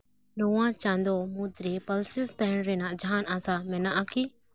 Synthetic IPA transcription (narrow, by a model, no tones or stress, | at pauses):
lɔwãt͡ʃãnd̪ɔmũt̪ɾepəlsɪst̪ɛɦɛɳɾɛnaʔd͡ʒʱanasamɛnaʔaki